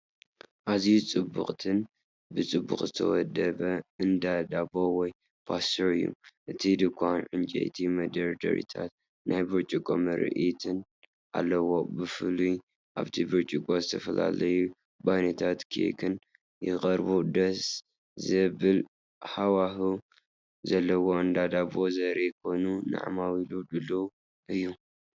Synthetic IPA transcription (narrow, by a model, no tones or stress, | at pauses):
ʔazijut͡sʼɨbːṵχʼt̪ʰɨn | bɨt͡sʼɨbːṵχʼzɨt̪ʰɐ̰wɔd̪ɐβɐɨnd̪ad̪abowɔj | pʰast̪oʕɨjːṵʔɨt̪ʰid̪ɨkʰʷanʕɨnt͡ʃʼḛjt̪ʰimɐd̪ɐɾd̪ɐ̰ɾḭt̪ʰat̪ | nʔajbɨɾt͡ʃʼɪkʼo̰mɐɾɨ̰ʔit̪ʰɨn | ʔa̰lːɐwo̞bɨfɨluj | ʔa̰βt̪ʰibɨɾt͡ʃʼikʼozɨt̪ʰɐfɐla̰lɐju | bajnɐt̪ʰat̪kʰiḛkʰɨn | jɪqʼɐɾbud̪ɐs | zɨbɨl | ħawahu | zɐlːɐwoɨnd̪ad̪abozɐɾekʰo̞jnuna̰ʕmawilud̪ɨlːo | ʔɨjːu